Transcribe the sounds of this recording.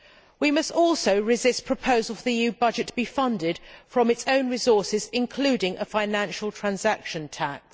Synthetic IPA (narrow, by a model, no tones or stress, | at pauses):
wimʌstɔˑlˠsəʊɹɪzɪspʰɹ̥əpʰəʊzəlˠfəðiijʉːbʌd͡ʒɪtʰəbifʌ̃ndɪd̥fɹə̃mɪtsə̃ʊ̃nɹɪzɔˑsɪzɪ̃nkʰl̥ʉːdɪ̃ŋʔəfãɪnæ̃nʃəl̩ˠtʰɹ̥ãnzakʃə̃ntʰæk̚s